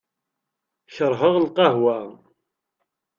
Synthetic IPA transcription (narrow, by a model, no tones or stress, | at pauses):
çəɾˤɦəʁlqɑɦwæ